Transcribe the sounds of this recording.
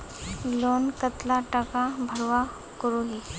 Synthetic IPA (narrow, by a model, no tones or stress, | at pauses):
loːnkət̪laʈəkabʱəɽʋa | kʊɾoɦi